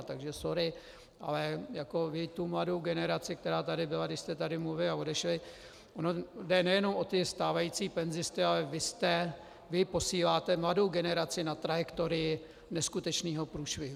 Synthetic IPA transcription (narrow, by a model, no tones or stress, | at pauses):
t̪aɡʒɛsoɾɪ | ʔa̰lɛjako̞vɪt̪umlado̞wɡɛnɛɾat͡sɪkt̪ɛɾaːt̪adɪbɪlaɡdɪʃst̪ɛt̪adɪmluvɪlɪao̞dɛʃlɪ | ʔonodɛnɛjɛno̞mʔo̞t̪ɪst̪aːvajiːt͡siːpɛnzɪst̪ɪalɛvɪst̪ɛ | vɪpo̞siːlaːt̪ɛmlado̞wɡɛnɛɾat͡sɪnat̪ɾajɛkt̪o̞ɾɪɪ | nɛskut̪ɛt͡ʃniːɦo̞pɾuːʃvɪɦu